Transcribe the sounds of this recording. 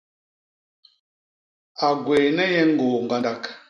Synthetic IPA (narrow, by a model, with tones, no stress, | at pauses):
a˨ɡwe˨nɛ˦jɛ˦ŋ˦ɡoː˨ŋ˨ɡa˨nda˦k